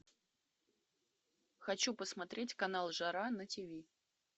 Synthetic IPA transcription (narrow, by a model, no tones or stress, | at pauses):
xɐt͡ɕupəsmɐt̪ɾʲetʲkɐnalˠʐaɾanətʲɪvʲi